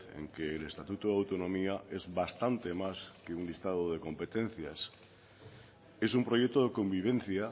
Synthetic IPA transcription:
ḛŋkeːle̞st̪at̪ut̪oðawt̪onõ̞miae̞zβast̪ant̪e̞maskeunlist̪að̞oðe̞ko̞mpe̞t̪ẽ̞n̟θjas | e̞sumpɾo̞jek̚t̪oðeko̞mbiβ̞ẽ̞n̟θja

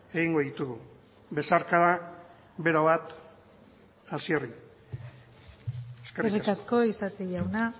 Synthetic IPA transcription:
e̞ɣiŋɡo̞ðit̪uɣu | be̞saɾkaɾa | βe̞ɾaβat̪ | asieri | eskeerikasko̞isasiʎawna

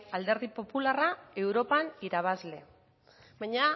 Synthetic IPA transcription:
ald̪e̞ɾðipo̞pularae̞wɾo̞paniɾaβ̞azle̞ | baɲa

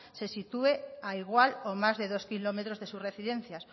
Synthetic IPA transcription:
sesit̪ueaiɣwalomazðeðoskilomet̪ɾozðesusreθiðen̟θjas

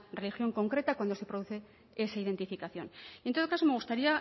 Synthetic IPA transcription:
re̞lixjo̞ŋko̞ŋkɾe̞t̪akwand̪oe̞pɾoðuθe̞ | esaið̞e̞nt̪ifikaθjo̞nent̪o̞ðo̞kaso̞me̞ɣ̞ust̪aɾia

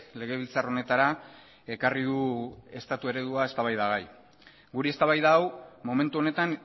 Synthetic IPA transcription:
le̞ɣ̞e̞β̞ilt͡saro̞ne̞t̪aɾa | e̞kariðue̞st̪at̪ue̞ɾe̞ðuaest̪aβajðaɣaj | ɡuɾeest̪aβajðaːwmo̞me̞nt̪uo̞ne̞t̪an

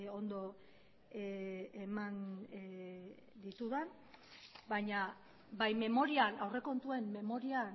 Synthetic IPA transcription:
o̞nd̪o̞ | eman | d̪it̪uðan | bajɲa | bajme̞mo̞ɾianawre̞ko̞nt̪ue̞mːe̞mo̞ɾian

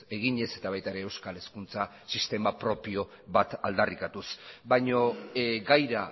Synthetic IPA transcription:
e̞ɣ̞iɲe̞se̞t̪aβajt̪aɾe̞ːwskale̞skunt͡sa | sist̪e̞mapɾo̞pio̞ | βat̪ald̪arikat̪usbajɲo̞ɡajɾa

